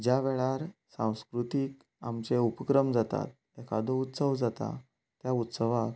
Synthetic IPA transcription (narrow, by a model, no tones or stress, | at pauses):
d͡ʑjaʋeɭaɾsãw̃skɾut̪iːk | amt͡ɕeupəkɾəmd͡zat̪a̰t̪̚ | ekʰa̰d̪out̪səʋd͡zat̪a̰ | t̪jaut̪səʋak